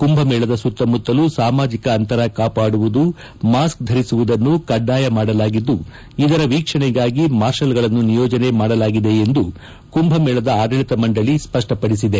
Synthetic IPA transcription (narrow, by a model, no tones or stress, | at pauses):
kumbʱɐmɛːɭɐd̪ɐsut̪ːɐmut̪ːɐlusaːmaːd͡ʒikɐːnt̪ɐɾɐkaːpaːɽuʋud̪u | maːskd̪ʱɐɾisuʋud̪ɐnːukɐɖːaːjɐmaːɽɐlaːɡid̪ːu | id̪ɐɾɐʋiːkʂɐɳɛɡaːɡimaːɾʂɐlɡɐɭɐnːunijɔːd͡ʒɐne̞maːɽɐlaːɡid̪e̞end̪u | kumbʱɐmɛːɭɐd̪ɐaːɡɐɭit̪ɐmɐɳɖɐɭispɐʂʈɐpɐɽisid̪e